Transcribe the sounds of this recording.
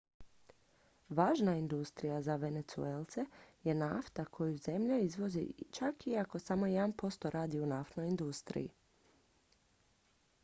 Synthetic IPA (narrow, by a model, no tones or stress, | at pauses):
ʋaːʒnaind̪ust̪ɾijazaʋe̞ne̞t̪sṵelˠt̪se̞je̞naft̪akʰo̞juze̞mʎeizʋo̞zḭt͡ʃakiako̞samo̞jed̪anpo̞st̪o̞ɾaːd̪iunaft̪noind̪ust̪ɾḭjḭ